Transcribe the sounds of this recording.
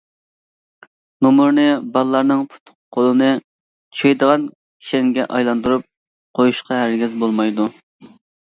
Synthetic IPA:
nomuɾnɨbɑlˠlːˠɑɾnɨŋpʰu̥t̪ʰʊ̥qqʰːolˠɨnɨ | t͡ʃʰejd̪əʁɑn | kʲʰi̥ʃɛŋɡʲɛʔɑ̰jlˠɑnd̪uɾup̚ | qʰojuʃqʰɑɦæɾɡʲɛzbolˠmɑjd̪u

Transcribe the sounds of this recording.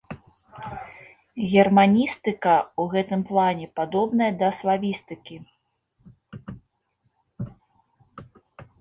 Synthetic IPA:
ɣʲɛrmanʲist̪ɨkɐuɣɛt̪ɨmplˠanʲɛpad̪ɔbnɐjɐd̪ɐslˠavʲist̪ɨkʲi

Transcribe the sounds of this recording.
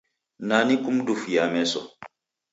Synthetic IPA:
nanikumdufjamɛsɔ̰

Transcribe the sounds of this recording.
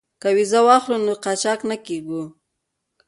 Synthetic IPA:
kawizawɑxlunoqɑt͡ʃɑknakeɡu

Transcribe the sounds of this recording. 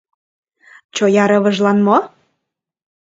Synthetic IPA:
t͡ɕojɑɾɤβɤ̆ʒlɑnmo

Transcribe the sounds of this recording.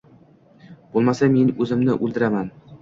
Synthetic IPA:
b̥olˠmasame̞nɵzɪmnɪʔɵlˠd̪ɪɾaman

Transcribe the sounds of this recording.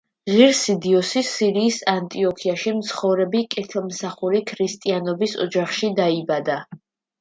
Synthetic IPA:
ʁiɾsid̪iɔsisiɾiːsant̪ʼiɔkʰiaʃimt̪sʰχɔvɾɛbikʼɛt̪ʰɛlˠmsaχuɾikʰɾist̪ʼianɔbisɔ̰d͡ʒaχʃid̪aibad̪a

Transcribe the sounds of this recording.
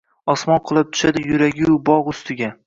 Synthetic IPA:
ɒsmɒnqʰɨlˠɪp̚t̪ʰʊ̥ʃad̪ɪjʊɾaɡʲɪʊbɒʁʊst̪ʰɪɡʲa

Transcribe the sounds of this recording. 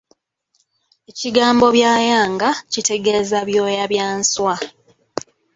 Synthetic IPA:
e̞ciɡaːmbo̞βjaːjaːŋɡacite̞ɡe̞zaβjo̞ːjaβjaːnswa

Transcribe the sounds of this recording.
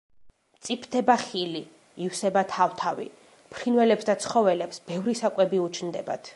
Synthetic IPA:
t̪sʼipʰd̪ʰɛbaχili | ifsɛbat̪ʰaft̪ʰavḭ | pʰɾinvɛlɛpsd̪at̪sʰχɔvɛlɛpsbɛvɾisakʼwɛbiut͡ʃʰnd̪ɛba̰t̪ʰ

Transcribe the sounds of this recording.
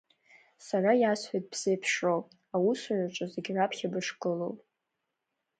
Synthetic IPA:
sarajasħʷᶣajt̚ʼbz̥ejpʰʂow | awusɥaʈ͡ʂʼazeɡʲʕapʰχʲabɨʂkʼɨlowpʼ

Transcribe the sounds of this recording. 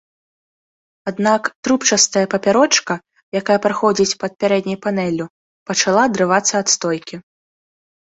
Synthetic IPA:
ad̪nakt̪ɾupt͡ʂɐst̪ɐjɐpɐpʲaɾɔt͡ʂkɐ | jakajɐpɾaxɔd͡zʲit͡sʲpɐt̪̚pʲaɾɛd̪nʲɐjpanɛlʲu | pɐt͡ʂalˠad̪ɾɨvat̪sːɐːt̪st̪ɔjkʲi

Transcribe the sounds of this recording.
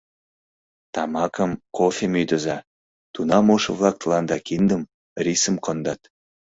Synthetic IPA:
t̪ɑmɑkəmkofʲemyjd̪ə̆zɑ | t̪unɑmoʃəβlɑk̚t̪əlɑnd̪ɑkind̪əm | risəmkond̪ɑt̪

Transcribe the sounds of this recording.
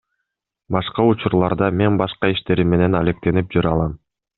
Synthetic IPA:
bɑʃqɑut͡ʃuɾlˠɑɾd̪ɑme̞nbɑʃqɑiʃt̪e̞ɾimːe̞ne̞nale̞k̚t̪e̞nip̚d͡ʒyɾɑlˠɑm

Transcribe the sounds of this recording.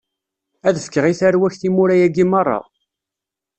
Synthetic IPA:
æðəfə̥kːəʁiθæɾwæçθimuɾæjæɡimɑrˤːɑ̰

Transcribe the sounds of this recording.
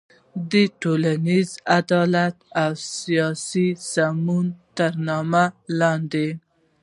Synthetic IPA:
d̪əʈolanizad̪ɑlat̪awsijɑsisamunt̪əɾnɑmalɑnd̪e

